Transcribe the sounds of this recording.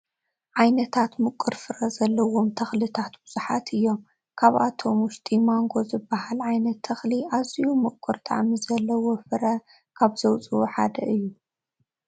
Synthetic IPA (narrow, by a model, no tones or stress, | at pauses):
ʕajnɐt̪ʰat̪mɨkʼɨɾfɨɾɐzɐlːɐwo̞mt̪ʰɐxlit̪ʰat̪bɨz̥uħat̪ʰɨjːo̞m | kʰaβʔat̪ʰo̞mʊʃt̪ʰʼimaŋɡo̞zɨbɐhalʕajnɐt̪ʰːɐxliʔazijumɨkʼːɨɾt̪ʼa̰ʕmizɐlːɐwofɨɾɐ | kʰaβz̥ɐwt͡sʼɨwoħa̰d̪ɐʔɨjːu